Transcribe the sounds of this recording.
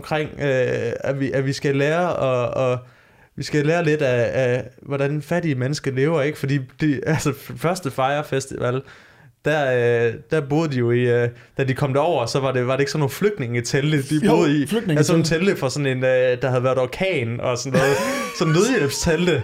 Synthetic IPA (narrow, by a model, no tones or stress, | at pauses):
mkʰʁeŋ̰øæʋiʔæʋisɡ̥æleːɐɒ̽ɒ̽ | ʋisɡ̥æleːɐle̝d̥æː | ʋɒd̥ænfæɾ̥iəmenəsɡ̥əle̝ːʊɐe̝ɡ̥ə̥fɒ̽d̥ḭːd̥eælsəfɶɐsd̥əfɑ̈ɪɐfesd̥ḭʋæl | d̥æɐød̥æɐb̥o̝ːðˠd̥ijo̝iø | d̥æd̥ikʰɒ̽m̰d̥æɒʊ̰ɐsɒ̽ʋɑ̈de̝ʋɑ̈ɾ̥ee̝ɡ̥sɒnːo̝ːnfløɡ̥d̥ne̝ŋit͡sʰel̥əd̥ibo̝ðˠisɒt͡sʰeləfɒ̽sɒ̽ne̝nød̥ɑ̈hæðˠʋæːɐðˠɒkʰɛ̰ːnɒ̽sɒnːɔ̽ːð̩ˠsɒ̽n̩ne̝ð̞ˠjelb̥st͡sʰeld̥ə